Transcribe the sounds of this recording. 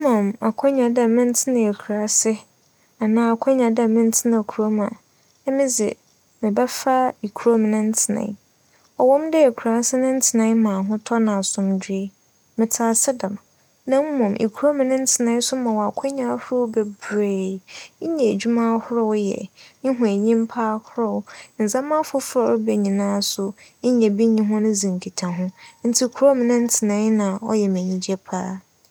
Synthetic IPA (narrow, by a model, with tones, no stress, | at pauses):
mɔ̃˨ma˨kʷʰɔ̃˦ɲã˨da˨mɪ̃˦n̩˦tʰɪ˦nɪ̃˨e˨kʰu˨ɾa˨˦sɪ˦ | a˨nãː˨˦a˨kʷʰɔ̃˦ɲã˨dɛ˨mɪ̃˦n˦tʰɪ˦nã˨kʰu˨ɾo˦mã˨ | ɛ˦mɪ̃˦d͡zɪ̰˨ | mɪ̃˨bɛ˦fa˦i˨kʰu˨ɾo˦m˨nʊ̃˦n̩˦tʰɪ˨nã̰˨˦ | ɔ˨wɔ̃˦mdɛ˦e˨kʰu˨ɾa˦sɪ˦nʊ̃˦n̩˦tʰɪ˨nã˨˦mã˨ɦʊ̃˦tʰɔ˦nã˨a˨sʊ̃˨mdᶣi˦e˦ | mɪ̃˨tʰaː˨˦sɪ˦dã˨m | nã˦m̩˦mɔ̃˨mʔḭ˨kʰɾo˦m̃˨nʊ̃˦n̩˦tʰɪ˨nã˦sʊ˦mã˨wɔ˨a˨kʷʰɔ˦ɲ˦ã˦hʊ˦ɾɔ˦wbɛ˨bɾe˨˦ɲɛ̃˨e˨d͡ʑᶣu˦mã˦hʊ˦ɾɔ˦wjɛ̰˨ɪ̃˦ɦʊ̃˨æ˨ɲĩ˦m˦pʰaː˦hʰʊ˦ɾɔ˦wn̩˨zã˦mã˦fʊ˦fɾɔ˨ɾʊ˦bɛ˨ɲĩ˨nãː˦sʊ˨˦ɲɛ̃˨bi˦ɲĩ˦ɦʊ̃˦nʊ̃˦zĩ˨ŋ˨kʰi˨tʰã˨ɦʊ̃˦n̩˦tʰi˦kʰu˨ɾɔ˦m̃˨nʊ̃˦n̩˦tʰɪ˨nã˦nã˨ɔ̰˦jɛ˨mæ̃˨ɲĩ˨d͡ʑi˦ɛ˦pʰa̰ː˦